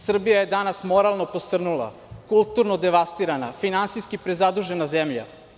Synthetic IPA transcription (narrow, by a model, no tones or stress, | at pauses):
sr̩bijajed̪anasmo̞ɾalˠno̞posr̩nulˠa̰ | kulˠt̪uɾnod̪eʋast̪iɾanafinant̪siskipɾezad̪uʒe̞nazemʎa̰